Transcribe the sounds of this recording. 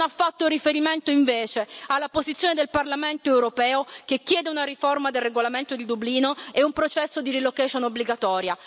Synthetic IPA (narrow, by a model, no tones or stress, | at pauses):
nafːat̪ːoɾifeɾiment̪oiɱveːt͡ʃealːapozit̪sːjoːned̪elparlament̪oɛwɾopɛːok̟ekːjɛːd̪eunaɾiformad̪elreɡolament̪od̪id̪ubliːnoeumpɾot͡ʃɛsːod̪iɾilokɛʃonobːliɡat̪ɔːɾja